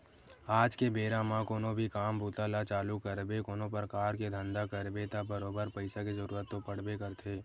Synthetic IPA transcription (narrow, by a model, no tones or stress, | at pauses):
aːd͡ʒkebeːɾamãkoːnobʱikaːmbʱuːt̪alat͡ʃaːlukəɾbekoːnopɾəkaːɾked̪ʱə̃nd̪akəɾbet̪abəɾoːbəɾpəɪsakizɐɾuːɾət̪ːopəɽ̤bekəɾt̪ʰeː